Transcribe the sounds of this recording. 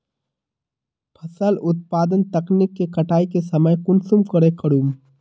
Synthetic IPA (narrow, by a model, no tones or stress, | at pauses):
pʰəsəlʔʊt̪̚paːd̪ənt̪ɐknikːekəʈaːikesəməjkʊnsumkəɾekəɽum